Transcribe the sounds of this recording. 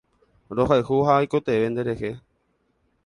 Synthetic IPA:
ɾo̞ɦaɨhuɦaːjkot̪eʋe̞nd̪e̞ɾe̞he̞

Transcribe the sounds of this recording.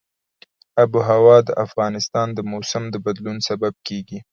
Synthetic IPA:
abuɦawɑd̪əʔafɣɑnɪst̪ɑnd̪əmosamd̪əbad̪lunsabab̚keɡi

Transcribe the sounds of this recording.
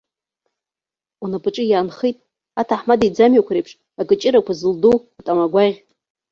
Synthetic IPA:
unapʰʼɨʈ͡ʂʼɨjaːnχejtʼ | atʰaħmadid͡zamjakʷɾejpʰʂ | akʼɨt͡ʃʼɪɾakʷazɨlduwatʼamaɡʷaʁʲ

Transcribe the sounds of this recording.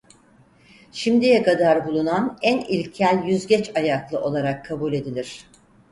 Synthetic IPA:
ʃimd̪ijɛkad̪aɾbulˠunanænilʲcʰælʲjyzɟɛt͡ʃajaklˠɯʔo̞lˠaɾakʰːabulʲe̞d̪ilʲiɾ̝̥

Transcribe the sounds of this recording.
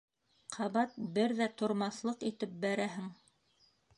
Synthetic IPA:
qʰɑβɑt̪̚bɘɾðæt̪ŏɾmɑθlˠɤqit̪ɘp̚bæɾæɦɘŋ

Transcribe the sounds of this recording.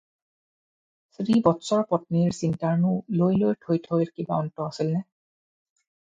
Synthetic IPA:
sɹibɔtsɔɹpɔtniɹsintaɹnʊlojlojtʰojtʰojlkiba̰ɔntɔasilnɛ

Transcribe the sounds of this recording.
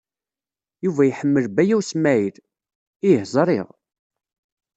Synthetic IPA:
juvæjħəmːəlbæjæwsmæið | ihzˤɾˤɪ̰ʁ

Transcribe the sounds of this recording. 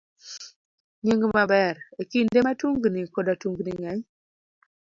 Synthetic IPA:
ɲeŋɡmabɛɾekindematuŋɡnikɔdatuŋɡniŋɛɲ

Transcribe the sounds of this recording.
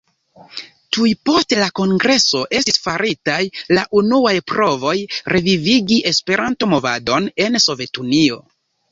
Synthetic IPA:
tujpo̞ste̞lako̞ŋɡɾe̞so̞ʔe̞stisfaɾʔitajlaʔunuajpɾo̞vo̞jɾʔe̞viviɡiʔe̞spe̞ɾʔanto̞mo̞vado̞ne̞nso̞ve̞tunio̞̰

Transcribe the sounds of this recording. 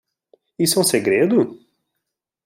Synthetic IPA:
isɛũseɡɾed̪ʊ

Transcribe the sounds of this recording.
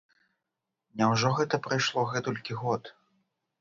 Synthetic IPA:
nʲɛwʐɔɣɛt̪ɐpɾajʂlˠɔɣɛt̪ulʲkʲiɣɔt̪

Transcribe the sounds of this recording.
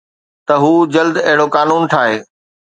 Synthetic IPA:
t̪ɐɦuːd͡ʑɐld̪ɐɦɪɽokaːnuːnʈʰaːɦeː

